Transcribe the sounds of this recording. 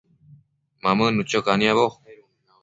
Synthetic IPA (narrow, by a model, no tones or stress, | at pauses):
mamənut͡ɕokaniaβo